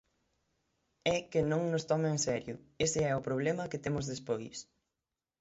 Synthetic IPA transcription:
ɛkɪnõŋnʊst̪ɔmeeŋsɛɾjʊesɪɛʊpɾoβ̞lemɐkɪt̪emʊzðespojs

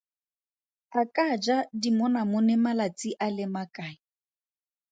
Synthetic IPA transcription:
akʼad͡ʒadimʊnamʊnɛmalat͡sʼiʔalɪmakʼaːɪ

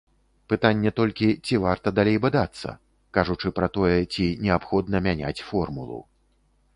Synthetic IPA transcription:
pɨt̪anʲːɛt̪ɔlʲkʲit͡sʲivart̪ɐd̪alʲejbad̪at̪sːɐ̰ | kaʐut͡ʂɨpɾɐt̪ɔjɛt͡sʲinʲɛapxɔd̪nɐmʲanʲa̰t͡sʲfɔrmṵlˠṵ

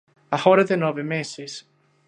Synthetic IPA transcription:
ahɔɾəðɪnɔvɪmeːsɪs

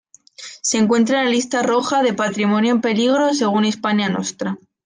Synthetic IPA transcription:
se̞ŋkwe̞nt̪ɾaelalist̪aro̞xaðe̞pat̪ɾimonjoempe̞liɣ̞ɾo̞s̬e̞ɣ̞unispaɲano̞̰st̪ɾa

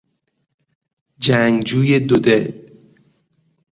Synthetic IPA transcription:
d͡ʒæŋd͡ʒuːjed̪od̪el

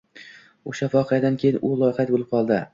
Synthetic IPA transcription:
oʃafɒqʰɨjad̪ankʲʰejɪnʔʊlˠɒjɪχat̪̚bolɪp̚qʰɒlˠd̪ɪ

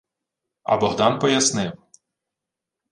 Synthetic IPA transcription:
ɐ̰bɔɦd̪ɑnpɔjɐsnɪw

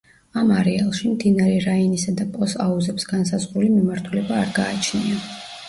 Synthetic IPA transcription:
amaɾɛalˠʃimd̪inaɾɛɾainisad̪apʼɔsauzɛpsɡansazʁɾulimimaɾt̪ʰulɛbaːɾɡaːt͡ʃʰnia

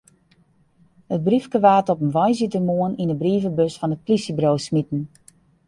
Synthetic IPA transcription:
hət̚brifkəʋaːtɔpənʋɔjzitərmoəninəbriːvəbøsfɔnət̚plisibroːwsmitn̩

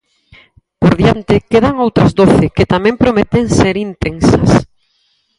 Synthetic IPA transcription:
poɾðjant̪ɪkeðaŋowt̪ɾɐzd̪oθɪkɪt̪amɛ̃mpɾomet̪eŋseɾint̪eŋsɐs

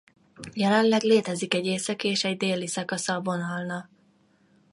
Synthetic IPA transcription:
jɛlɛnlɛɡleːt̪ɛzikɛɟeːsɒkeːʃɛɟd̪eːlisɒkɒsɒvonalnɒ

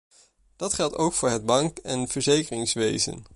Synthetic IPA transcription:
d̥ɑtχɛlˠtowkfʊːɹɦəd̚bɑŋkɛnv̥əɹzejkərɪŋsʋejzə̰n

